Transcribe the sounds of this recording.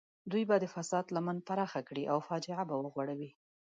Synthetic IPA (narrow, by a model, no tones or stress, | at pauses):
d̪ujbad̪əfasɑd̪lamanpaɾɑxakɽiʔawfɑd͡ʒɪʕabawəɣwaɽawi